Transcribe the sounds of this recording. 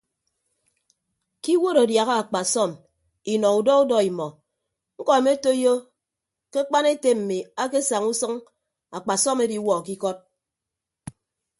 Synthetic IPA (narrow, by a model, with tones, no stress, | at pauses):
ki˦wo˦ɾo˨dja˨ɣa˦a˨k͡pa˨sɔ˦˨m | i˨nɔ˨u˨dɔ˦u˦dɔ˦i˨mɔ˨ | ŋ̩˦kɔ˨e˨me˦to˦i˦jo˦ | ke˦k͡pa˦ne˦te˦m̩˨mi˨a˦ke˦sa˨ŋu˦sʌ˦ŋ | a˨k͡pa˨sɔ˦me˦di˨˦wɔ˨ki˦kɔ˦t̚